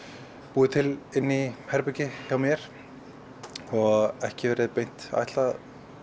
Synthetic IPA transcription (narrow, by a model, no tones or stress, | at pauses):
puːðɪt̪ʰɪlɪnːihɛɾpɛcɪçjaːwmjɛɾ̥ | ɔɣɛhcɪvɛːɾɪðpejn̥t̪a̰jht̪la